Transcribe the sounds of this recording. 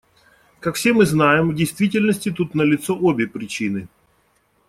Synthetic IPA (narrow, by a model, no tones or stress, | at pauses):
kakfsʲe̞mɨznajɪmvdʲɪjst̪vʲitʲɪlʲnəsʲtʲɪt̪ut̪nəlʲɪt̪soʔobʲɪpɾʲɪt͡ɕinɨ